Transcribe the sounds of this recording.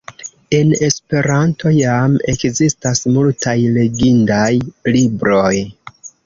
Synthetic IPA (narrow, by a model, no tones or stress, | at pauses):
e̞ne̞spe̞ɾantʰo̞jame̞kzistasmultʰajle̞ɡindajlibɾo̞j